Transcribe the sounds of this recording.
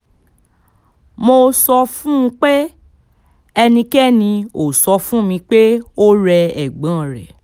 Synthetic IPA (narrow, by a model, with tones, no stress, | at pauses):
mo˧sɔ˧fũ˦˧k͡pe˦ | ɛ˧nĩ˧kɛ˦˨nĩ˧o˨sɔ˧fũ˦mĩ˧k͡pe˦o˦ɾɛ˧ɛ˨ɡ͡bã˨˦˨ɾɛ˨